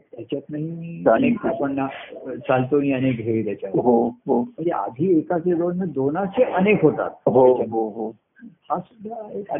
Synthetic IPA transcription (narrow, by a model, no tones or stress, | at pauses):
t̪jat͡ɕat̪naɦĩnekapəɳnat͡salt̪oniənekɡʱeʋit̪jat͡ɕaɦoɦom̤əɳd͡zea̰d̪ʱiːekased̪onːed̪onaseʔənekɦot̪a̰t̪̚ɦot͡ɕaɦoɦo | asud̪ʱːaeka